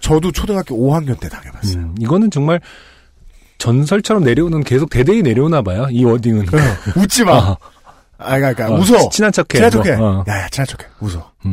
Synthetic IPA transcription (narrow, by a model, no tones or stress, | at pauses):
t͡ɕʌdot͡ɕʰodɯɡak͈ioɦaŋɲont͈etaɡebasiɡʌnɯnt͡ɕʌŋmaɭ | t͡ɕʌns̬ʰʌɭt͡ɕʰʌɾʌmne̞ɾjʌunɯnke̞sʰok̚te̞deine̞ɾjʌunabajoiwʌdiŋɯnut͡ɕ͈ima | aɲik͈aik͈amus̬ʰʌt͡ɕʰinat͡ɕʰʌkʰːeiat͡ɕʰokʰejajat͡ɕʰinat͡ɕʰo̥kʰemusʰʌ